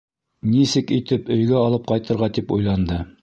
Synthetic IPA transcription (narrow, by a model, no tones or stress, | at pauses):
nisɘkit̪ɘpɵ̆jɡæɑlˠɤp̚qɑjt̪ɤ̆ɾʁɑt̪ipṵjlˠɑnd̪ɤ